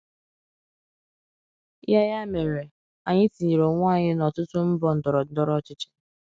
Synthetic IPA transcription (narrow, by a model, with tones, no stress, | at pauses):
ja˦ja˦me˨ɾe˨ | a˨ɲɪ˦ti˨ɲi˨ɾo˨ŋʷaː˦˨ɲɪ˦nɔ˨tʊ˦tʊ˦m̩˦bɔ˨n̩˨dɔ˨ɾɔ˨˦dɔ˦ɾɔ˦t͡ʃɪ˦t͡ʃɪ̥˦